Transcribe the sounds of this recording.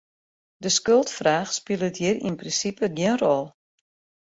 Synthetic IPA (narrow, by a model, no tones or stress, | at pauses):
dəskølˠtfraːxspilˠətjirinprinsipəɡjɪənrɔlˠ